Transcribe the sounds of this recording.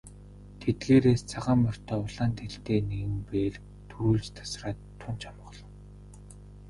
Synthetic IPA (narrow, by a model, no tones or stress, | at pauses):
t̪ʰet̪̚ɣeːɾeːst͡sʰaʁaːmɔr̥t̪ʰœːʊɮaːnt̪ʰeɬt̪eːneɣɘ̆mpeːɮ | t̪ʰuɾuːɮt͡ɕt̪ʰḁsraːt̪ʰːʊnt͡ɕʰamə̆χɮɞ̆w